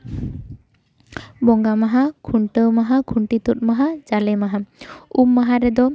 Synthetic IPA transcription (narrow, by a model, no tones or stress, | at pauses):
bɔŋɡamaɦakʰuɳʈəwmaɦakʰuɳʈit̪ut̚maɦad͡ʒalɛmaɦaumːaɦaɾɛd̪ɔ